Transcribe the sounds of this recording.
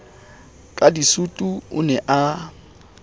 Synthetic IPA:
kʼadisutʼuʊ̰nɛʔa

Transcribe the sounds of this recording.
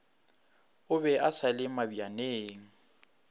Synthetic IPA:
ʊbɛʔasalɪmabianeːŋ̩

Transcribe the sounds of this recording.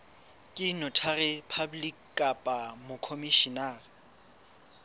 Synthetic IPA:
kʼɪnʊtʰarɪpʰablikkʼapʼamʊkʰomiʃina

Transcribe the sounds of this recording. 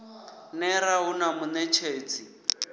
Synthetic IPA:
nɛɾaʊnamʊnɛt͡ʃʰeːt͡sʰʼi

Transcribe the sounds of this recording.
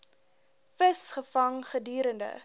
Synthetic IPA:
fəsχəfɐŋχədyːɾəndə̰

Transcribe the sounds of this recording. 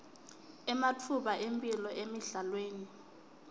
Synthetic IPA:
ɛmatʰuɓaʔempʼilɔʔemiɮalweːni

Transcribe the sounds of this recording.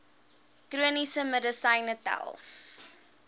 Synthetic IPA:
kruənisəmədəsɐjnətæ̰lˠ

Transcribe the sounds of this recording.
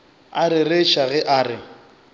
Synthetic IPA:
aɾɪreʃaɣɛʔaːrɪ

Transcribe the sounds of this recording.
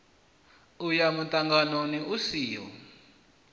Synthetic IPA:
ujamutʼaŋɡanoniusiːjɔ̰

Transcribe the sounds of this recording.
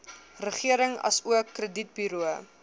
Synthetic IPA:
rəχiəɾəŋɐ̰suəkːrədit̚byɾuə

